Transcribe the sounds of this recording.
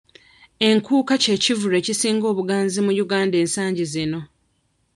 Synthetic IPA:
e̞ŋkuːkace̞ːcivuɾe̞ːcisiːŋɡo̞ːβuɡaːnzimujuɡaːnde̞ːnsaːɲɟizino̞

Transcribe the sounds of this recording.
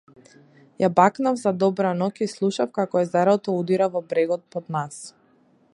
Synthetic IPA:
jabaknavzad̪ɔbɾanɔkislˠuʃafkakɔɛzaɾɔt̪ɔud̪iɾavɔbɾɛɡɔt̪̚pɔd̪nas

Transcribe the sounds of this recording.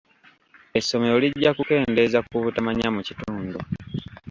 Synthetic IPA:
e̞sːo̞me̞ɾoliɟːakuke̞ːnde̞zakuβutamaɲamucituːndu

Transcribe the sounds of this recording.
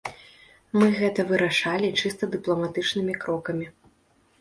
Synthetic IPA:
mɨɣɛt̪ɐvɨɾaʂalʲit͡ʂɨst̪ɐd̪ɨplˠɐmat̪ɨt͡ʂnɨmʲikɾɔkɐmʲi

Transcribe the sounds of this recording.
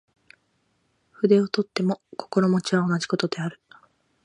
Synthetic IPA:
ɸɯ̟d̪e̞o̞t̪o̞t̪ːe̞mo̞ko̞̥ko̞ɾo̞mo̞t͡ɕiβao̞naʑi̥ko̞t̪o̞d̪e̞aɾɯ̟

